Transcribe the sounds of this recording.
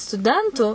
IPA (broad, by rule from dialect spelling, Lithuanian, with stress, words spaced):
stʊˈdʲɛntuː